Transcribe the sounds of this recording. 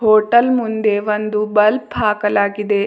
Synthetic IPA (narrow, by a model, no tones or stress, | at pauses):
ɦoːʈɐlmund̪e̞ʋond̪ubɐlpɦaːkɐlaːɡid̪e̞